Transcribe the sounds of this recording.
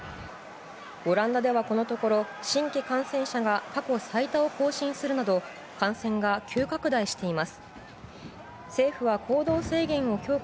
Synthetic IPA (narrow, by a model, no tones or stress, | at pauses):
o̞ɾãnd̪ad̪e̞βako̞no̞t̪o̞ko̞ɾo̞ɕĩŋkʲikãɰ̃sẽ̞ɰ̃ɕaɡakako̞sait̪ao̞ko̞ːɕĩɰ̃sɨɾɯ̟nad̪o̞ | kãɰ̃sẽ̞ŋɡakʲʰɨːkakɯ̟d̪aiɕi̥t̪e̞imasɨ̥ | se̞ːɸɯ̟βakʰo̞ːd̪o̞ːse̞ːɡẽ̞ɰ̃o̞kʲo̞ː